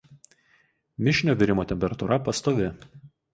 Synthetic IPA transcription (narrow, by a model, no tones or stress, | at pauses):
mʲɪʃʲnʲoːʋʲɪɾʲɪmoːt̪ʲɛmʲpʲɛɾɐt̪ʊɾʔɐpɐst̪oːʋʲɪ